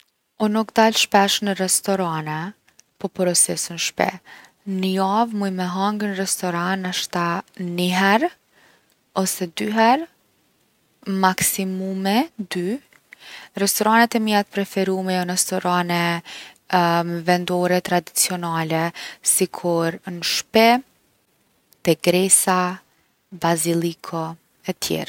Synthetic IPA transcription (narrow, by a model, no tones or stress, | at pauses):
ɔnukd̪alʃpɛʃnərɛst̪ɔɾanɛ | pɔpɾɔsɛsənʃpɛ̰ | nəjavmujmɛɦaŋɡənrɛst̪ɔɾanaʃt̪aniɦɛɾ | ɔsɛd̪yɦɛɾ | maksimumɛd̪y | rɛst̪ɔɾanɛt̪ɛmiat̪̚pɾɛfɛɾumɛjɔnɛst̪ɔɾanɛ | mɛvɛnd̪ɔɾɛt̪ɾad̪it͡siɔnalɛsikʰuɾnəʃpɛ | t̪ɛɡɾɛsa | bazilˠikʰɔ | ɛt̪jɛ̰ɾ